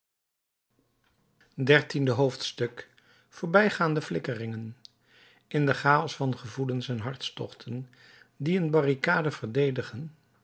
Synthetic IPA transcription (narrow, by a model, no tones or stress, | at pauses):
dɛɹtindəɦowftstɵk | foːɹbɛjχaːndəflɪkərɪŋən | ɪndəχaːɔsfɑnχəvulənsɛnɦɑɹtstɔ̰χtʰən | diənbɑrikaːdəvəɹdejdəχən